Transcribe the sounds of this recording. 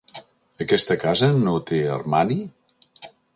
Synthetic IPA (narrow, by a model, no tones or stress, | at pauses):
əkɛst̪əkazənot̪eə̰rmani